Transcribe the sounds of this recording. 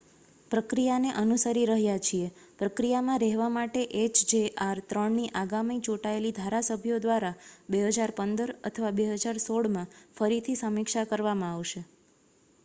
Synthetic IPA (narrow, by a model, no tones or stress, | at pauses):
pɾəkɾijaneʔənusəɾiɾəɦjat͡ʃʰiepɾəkɾijamãɾɛɦʋamaʈeʔet͡ʃd͡ʒeaɾt̪ɾəɳniʔaɡamit͡ʃoʈaelid̪ʱaɾasəbʱjod̪ʋaɾabeɦəd͡ʒaɾpənd̪əɾə̰t̪ʰəʋabeɦəd͡ʒaɾsoɽmãfəɾit̪ʰisəmikʃakəɾʋamãaʋʃe